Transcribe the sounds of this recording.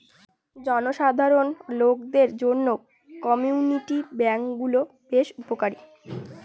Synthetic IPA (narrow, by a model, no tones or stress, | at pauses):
d͡ʑɔnoʃad̪ʱaɾonlokd̪eɾd͡ʑonːo | kɔmiuniʈibɛŋkɡulo | beʃupokaɾi